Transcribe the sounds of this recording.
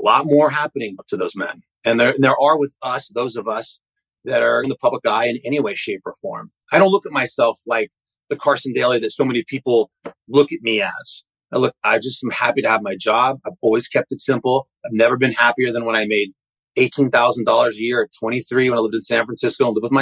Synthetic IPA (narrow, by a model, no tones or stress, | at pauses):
əlɔ̰t̚mɔɹɦæpɨnɪ̃ŋtʰɨðoʊzmɛ̰̃n | ɨ̃nðə˞ðə˞ʔə˞wɪðʌsðoʊzʌvʌs | ðɨɾə̃˞nðəpʰʌbləkaɪɨ̃nɛɾ̃iweɪʃeɪpʰə˞fɔ̰ɹm | aɪɾõʊ̃nlʊkət̚maɪsɛlˠflaɪk̚ | ðɨkʰɑɹsn̩deɪlˠiðɨtsoʊmɛnipʰipl̩ˠlʊkɨt̚miɨz̥ | aɪlʊk̚aɪd͡ʒʌstmhæpiɾɨəvmaɪd͡ʒɑb̚aɪvɔlˠwiz̥kʰɛp̚tɨtsɪ̃mpl̩ˠ | aɪvnɛvə˞bɨ̃nhæpiə˞ðɨ̃nwə̃ɾ̃aɪmeɪɾ | eɪtʰĩnθaʊzn̩dɔlˠə˞zɨjɪɹətʰw̥ɛ̃ɾ̃iθɹiwɨ̃naɪlɪvdɨ̃nsæ̃nfɹæ̃nsɪskoʊ̃nlɪvwəðmaɪ